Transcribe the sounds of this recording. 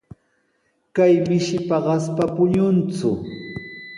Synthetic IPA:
kajmɪʃɪpaɢɑspapʊɲʊnt͡sʊ

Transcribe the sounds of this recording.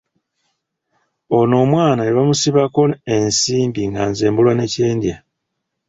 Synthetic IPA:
o̞no̞ːmwaːnaneβamusiβako̞ensiːmbiŋɡanzeːmbulwane̞ce̞ːndja

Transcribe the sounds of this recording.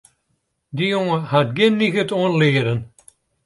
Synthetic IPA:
d̪ijoŋəhat̪ɡenːiɣət̪onleːɾən

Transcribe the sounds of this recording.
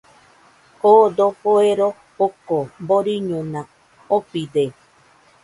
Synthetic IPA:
hod̪opoeɾo | okomboɾiɲũnã | opid̪e

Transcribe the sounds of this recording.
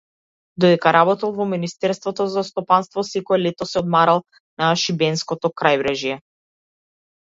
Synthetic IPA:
d̪ɔd̪ɛkaɾabɔt̪alˠvɔminist̪ɛɾst̪vɔt̪ɔzast̪ɔpanst̪vɔsɛkɔɛlɛt̪ɔsɛɔd̪̚maɾalˠ | naʃibɛnskɔt̪ɔkɾajvɾɛʒijɛ

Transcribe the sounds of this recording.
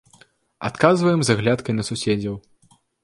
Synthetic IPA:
a̰t̪kazvɐjɛmzaɣlʲat̪kɐjnɐsusʲɛd͡zʲɐw

